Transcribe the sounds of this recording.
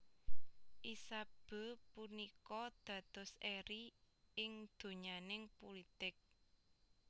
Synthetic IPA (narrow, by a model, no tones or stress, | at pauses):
ʔisab̥ə̤punikɔd̪̥ä̤d̪̥ɔ̤seɾi | ɪŋd̪̥o̤ɲanɪŋpulit̪ɪk̚